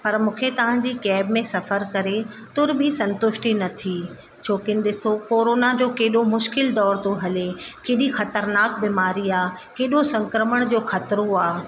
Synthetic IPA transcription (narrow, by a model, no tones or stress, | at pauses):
pɐɾmũːkʰet̪ɐʋ̤ãɲ̆d͡ʑiːkɛːbmẽsɐfəɾkɐɾe | t̪ʊɾbʱisɐ̃nt̪ʊʃʈinɐt̪ʰi | t͡ɕʰoːkɪnɪ̆ɗɪsokoːɾoːnad͡ʑoːkeːɗomʊʃkɪld̪ɔːɾt̪oɦɐlekeːɗixɐt̪əɾnaːk̚biːmaːɾiaː | keːɗosɐ̃ŋkɾəməɽ̃d͡ʑoːxɐt̪ɾoaː